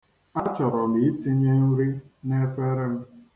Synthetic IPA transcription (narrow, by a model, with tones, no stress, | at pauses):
a˦t͡ʃɔ˨ɾɔ˨bi˨˦i˦ti˦ɲe˦ɲu˦ɾi˦ne˦fe˦ɾɪ˦m̩˦